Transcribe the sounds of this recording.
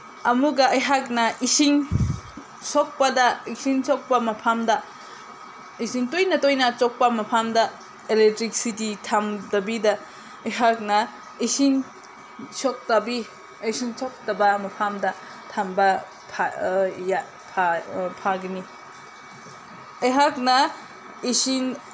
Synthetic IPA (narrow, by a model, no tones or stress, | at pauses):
ɐmuɡɐɐjɦak̚nɐisiŋ | sok̚pɐdɐisiŋsok̚pɐmɐpʰamdɐ | isiŋtojnɐtojnɐt͡ʃok̚pɐmɐpʰamdɐ | elek̚tɾik̚sititʰamdɐbidɐ | ɐjɦak̚nɐ | isin | sok̚tɐbi | ɐsinsok̚tɐbɐmɐpʰamdɐ | tʰambɐ | pʰaja | pʰapʰaɡini | ɐjɦak̚nɐ | isin